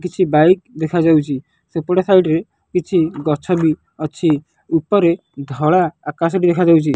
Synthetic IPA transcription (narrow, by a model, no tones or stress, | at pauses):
kit͡ʃʰibajk̚d̪ekʰad͡ʒawt͡ʃʰi | sepɔɽesajʈɾe | kit͡ʃʰiɡɔt͡ʃʰɔbi | ɔt͡ʃʰi | upɔɾe | d̪ʱɔɭaːkas̬ɔʈid̪ekʰad͡ʒawt͡ʃʰi